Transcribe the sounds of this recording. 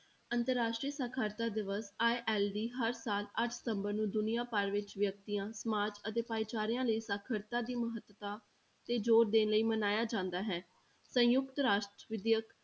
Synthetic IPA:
ənt̪əɾːaːʃʈɾiːəsaːkʰaːɾt̪aːd̪ɪʋəsaːeʔɛːlɖiːɦəɾsaːləʈʰsə̥t̪ə̃mbəɾnũːd̪ʊnijaːpəɾʋɪt͡ʃʋjək̚t̪ijãːsəmaːd͡ʒət̪eːpaːit͡ʃaːɾɪjãːləiːsaːkʰəɾt̪ãːd̪iːməɦət̪ət̪ãː | t̪eːd͡ʒoːɾd̪eːnləiːmənaːjaːd͡ʒãːnd̪aːɦɛː | sə̃jʊkt̪ɾaːʃʈɾəʋɪd̪jək

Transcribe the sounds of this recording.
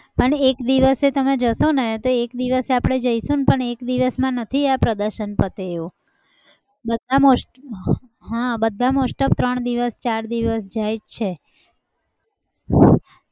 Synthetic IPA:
pəɳekd̪iʋəset̪əmed͡ʒəsonet̪oekd̪iʋəseapɽ̃ed͡ʒəiʃũnpəɳekd̪iʋəsmãnət̪ʰiapɾəd̪əɾʃənpət̪eːʋo | bəd̪ʱamos | ɦãbəd̪ʱːamosʈəp̚t̪ɾəɳd̪iʋəst͡ʃaɾd̪iʋəsd͡ʒajd͡ʒt͡ʃʰe

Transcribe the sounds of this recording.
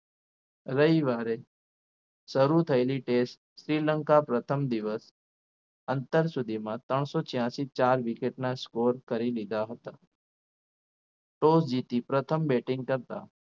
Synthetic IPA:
ɾəiʋaːɾe | səɾut̪ʰəeliʈesʈ | sɾiːləŋkapɾət̪ʰəmd̪ɪʋəs | ənt̪əɾsʊd̪ʱimãt̪əɳ̃sot͡ʃjãːsit͡ʃaːɾʋikeʈnaskoːɾkəɾilid̪aɦət̪a | ʈosd͡ʒit̪ipɾət̪ʰəmbeʈɪ̃ŋɡ̚kəɾt̪a̰

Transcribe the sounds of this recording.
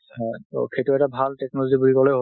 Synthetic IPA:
hɔo̰kʰetuɛtabʱaltɛk̚nɔlozibulikɔlejɦo

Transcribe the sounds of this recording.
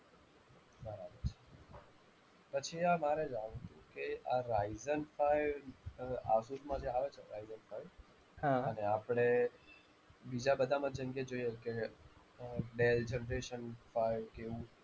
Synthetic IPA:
bəɾabəɾt͡ʃʰe̥ | pət͡ʃʰiamaɾed͡ʒaɽũt̪ũkeaɾaizənfajʋ | a̰suɾmãd͡ʒeaʋet͡ʃʰeɾaizənfaiʋ | ɦaəneapɽ̃e | bid͡ʒabəd̪ʱamãd͡ʒəŋɡed͡ʒoijeke | ɖeld͡ʒenɾeʃənfaiʋkeʋũ

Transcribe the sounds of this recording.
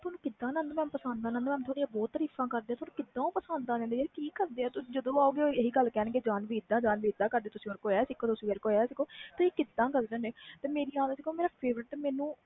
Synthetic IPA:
t̪ʰʊoːnũːkɪd̪ːãːnãnd̪mɛ̃ːpəsənd̪d̪aːnãːnd̪mɛ̃ːt̪ʰoːɽijãːbɔːt̪ːəɾiːfãːkəɾd̪eːaːt̪onũːkɪd̪ːãːoːpəsənd̪aːd͡ʒãnd̪eːekiːkəɾd̪eːaːt̪ʊ̃ːd͡ʒəd̪õːaːoːɡeːoːeɦiːɡəlːkɛːnːɡeːd͡ʒaːnʋiːɪd̪ːãːd͡ʒaːnʋiːd̪ãːkəɾd̪eːt̪ʊsĩːoːɾkoːɛːsɪkʰːoːt̪ʊsĩːʋeɾkoːɛːsɪkʰːoːt̪ʊsĩːkɪd̪ãːkəɾd͡ʒə̃neːt̪eːmeːɾiːaːd̪ːsɪkʰːoːmeːɾaːpʰeːʋɾəʈːmɛːnũː

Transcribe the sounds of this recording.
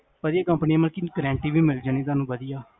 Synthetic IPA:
pəd̪ɪjaːkəmpnijãːməlkiːkəɾɛ̃ːɳʈiːʋiːmɪld͡ʒaːniːt̪aːnũːʋəd̪ɪjaː

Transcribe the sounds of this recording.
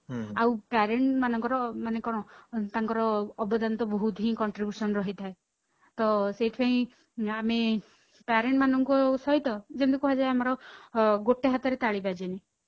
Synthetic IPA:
awpaɾeɳʈmanɔŋkɔɾɔmanekɔɽ̃ɔt̪aŋkɔɾɔːbɔd̪ant̪ɔbɔɦut̪ɦĩkɔɳʈɾibjusɔnɾɔɦit̪ʰae | t̪ɔseiʈʰpeĩ | ame | paɾeɳʈmanɔŋkusɔɦit̪ɔd͡ʒend̪ukuɦad͡ʒaeamɔɾɔɡoʈeɦat̪ɔɾet̪aɭibad͡ʒene

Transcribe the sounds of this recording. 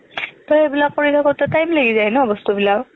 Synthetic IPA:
tɔebilak̚poɹitʰakɔtɛtajmleɡizaɛnɛɔbɔstubilaw

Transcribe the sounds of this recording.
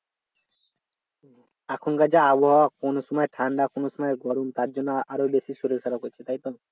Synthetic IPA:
akʰunɡad͡ʒaabɔɦawakonosɔmɔeʈʰaɳɖakonosɔmɔeɡɔɾunt̪aɾd͡ʒɔnːɔaɾobesisuɾesʰaɾɔkojt͡ʃʰet̪aɦjt̪ɔ

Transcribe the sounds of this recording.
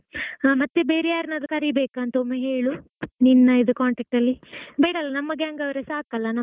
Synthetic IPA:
mɐt̪ːebeːɾejaːɾinɐd̪ɐkɐɾibeːkɐnt̪oːmeɦeːɭu | ninːɐid̪ɐkaːɳʈɐːk̚ʈɐlːibeːɽɐlːɐnɐmːɐɡaːŋɡɐʋɾesaːkɐlːɐnɐ

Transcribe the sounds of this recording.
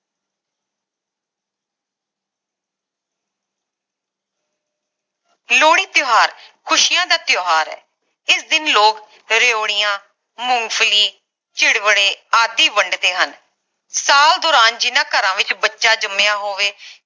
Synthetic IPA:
loːɽ̃iːt̪joːɦaːɾkʰʊʃijãːd̪aːt̪joːɦaːɾɛ̰ː | ɪsd̪ɪnloːk | ɾeoːɽɪjãː | mʊŋɡpʰliː | t͡ʃɪɽʋəɽeːaːd̪iːʋəɳɖd̪eːɦən | saːld̪ʊːɾaːnd͡ʒɪnãːkəɾãːʋɪt͡ʃbətːʃaːd͡ʒəmejaːɦoːʋeː

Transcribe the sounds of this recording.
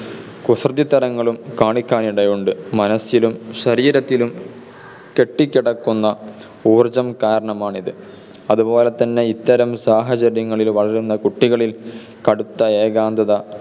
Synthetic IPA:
kusrɐðit̪ːɐɾɐŋːɐɭumkaːɳikʲːaːniɽɐjoɳɖɨmɐnɐsilumɕɐɾiːɾɐt̪ːilum | ke̞ʈːikʲːiɽɐkːunːɐ | uːrd͡ʑɐmkaːɾɐɳɐmaːɳiðɨ | ɐðubo̞ːlet̪ːɐnːe̞it̪ːɐɾɐmsaːɦɐt͡ɕɐɾjɐŋːɐɭilʋɐɭɐɾunːɐkuʈːiɣɐɭil | kɐɽut̪ːɐeːɡaːnd̪ʱɐðɐ

